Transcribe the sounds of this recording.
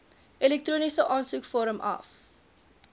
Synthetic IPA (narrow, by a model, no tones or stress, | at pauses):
ʔɛlɛk̚truːnisəʔɑːnsukfoːɾəmʔɐ̰f